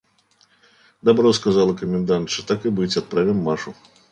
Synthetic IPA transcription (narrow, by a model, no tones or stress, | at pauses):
d̪abɾɔskazalˠɐkɐmʲɛnd̪ant̪ʂɔt̪akɨbɨt͡sʲat̪̚pɾavʲɛmːaʂu